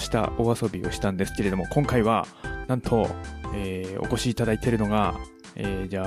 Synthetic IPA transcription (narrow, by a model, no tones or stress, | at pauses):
ɕi̥t̪a̰o̞aso̞bʲio̞̰ɕi̥t̪ãnd̪e̞sɨ̥ke̞ɾe̞d̪o̞mo̞kõ̞ŋkaiβanãnt̪ʰo̞eːo̞̰ko̞ɕiːt̪ad̪ait̪e̞ɾɯ̟no̞ɡa | eːd͡ʑaː